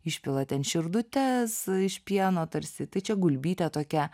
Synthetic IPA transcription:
ɪʃʲpʲɪlˠɐt̪ʲɛnʃʲɪɾd̪ʊt̪ʲɛsɪʃʲpʲiɛnoːt̪ɐɾʲsʲɪt̪ɐɪt͡ʃʲɛɡʊlʲbʲiːt̪ʲɛt̪oːkʲɛ

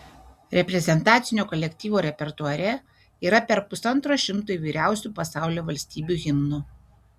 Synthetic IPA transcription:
ɾʲɛpʲɾʲɛzʲɛnt̪ɑːt̪sʲɪnʲoːkɔlʲɛkʲt̪ʲiːʋoːɾʲɛpʲɛɾt̪ʊɐɾʲɛ | iːɾɐpʲɛɾpʊsɐnt̪ɾoːʃʲɪmt̪uiʋʲiːɾʲæˑʊsʲupɐsɑˑʊlʲoːʋɐlʲsʲt̪ʲiːbʲuːˑɣʲɪmnʊ

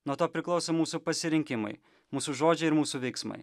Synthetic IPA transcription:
nuɔt̪oːpʲɾʲɪklˠɒʊsomuːsupɐsʲɪɾʲɪŋʲkʲɪmɐ̰ɪ | muːsuʒoːd͡ʒʲɛɪɪɾmuːsuʋʲɛɪksmɐ̰ɪ

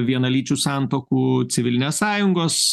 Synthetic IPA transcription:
ʋʲiɛnɐlʲiːt͡ʃʲuːsɑːˑnt̪oːkuːsʲɪʋʲɪlʲɪnʲeːssɑːjʊŋɡoːs

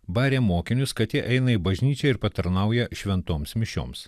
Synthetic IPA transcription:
bɑːɾʲeːmoːkʲɪnʲʊskɐt̪ʲjʲiɛʔɛɪnɐibɐʒʲnʲiːt͡ʃʲɛɪɾpɐt̪ɐɾnɐʊjɛʃʲʋʲɛnt̪oːmsmʲɪʃʲo̰ːms

